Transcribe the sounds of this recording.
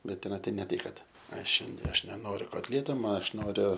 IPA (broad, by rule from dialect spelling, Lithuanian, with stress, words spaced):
ˈbʲɛt tʲɛˈnɐ ˈtɐɪ nʲɛ ˈtɐɪ ˈkɐt ˈɐʃ ˈʃʲɛnʲdʲiɛ ˈɐʃ nʲɛˈnoːrʲʊ koːtʲˈlʲiɛtoː ˈmɐ ˈɐʃ ˈnoːrʲʊ